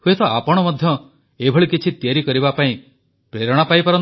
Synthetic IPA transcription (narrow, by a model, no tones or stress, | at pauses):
huet̪ɔapɔɽ̃ɔmɔd̪ʱjɔ | ebʱɔɭikit͡ʃʰit̪jaɾikɔɾiβapaĩ | pɾeɾɔɽ̃apaipaɾɔ